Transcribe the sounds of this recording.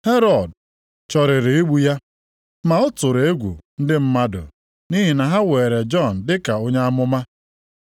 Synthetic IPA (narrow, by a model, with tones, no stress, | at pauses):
he˦ɾɔ˨d | t͡ʃɔ˨ɾɪ˨ɾɪ˨i˦ɡ͡bu˦ja˦ | ma˨ʊ˦tʊ˨ɾe˦ɡʷṵ˨n̩˦dɪ˦m̩˦ma˦dʊ̰˨ | ni˦ɦi˨na˨ɦa˦we˨ɾe˨d͡ʒɔ˦˨n̩˨dɪ˦ka˨o˦ɲa˦a˦mʊ˦ma˦